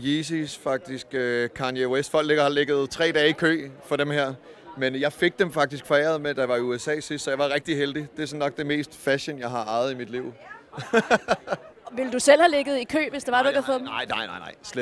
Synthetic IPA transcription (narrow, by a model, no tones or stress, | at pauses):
jisisfɑ̈ɡ̥̚d̥isɡ̥økʰɑ̈njeesd̥fɒ̽l̰ɡ̥leɡ̥ɐhɑleɡ̥ð̞̩ˠt͡sʰʁɛ̰ːd̥ɛːikʰø̰ːfɒ̽dɾemheɐ̰menjɑ̈ɪfe̝ɡ̥̚d̥emfɑ̈ɡ̥̚d̥isɡ̥fɒ̽ḛːɐð̩ˠmed̥ɑ̈ʋɑ̈iuesɛ̰ːsisd̥sɒ̽jɑ̈ɪʋɑ̈ʁeɡ̥d̥iɦeld̥id̥e̝æsɒ̽nːɒ̽ɡ̥̚d̥e̝me̝̰ːsd̥fæɕənjɑ̈ɪɦɑ̈ʔɑ̈ɪð̞̩ˠimid̥liʊ̰ | ʋe̝ləd̥usel̰hæleɡ̥ð̞̩ˠikʰø̰ːʋe̝sd̥eʋɑ̈dɾueɡ̥fɔdmɪ̰nɑ̈ɪ̰na̰ɪnɑ̈ɪ̰sle